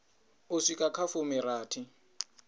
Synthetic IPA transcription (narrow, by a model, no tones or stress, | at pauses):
ʊsikʼakʰafʊmɪɾaːtʰɪ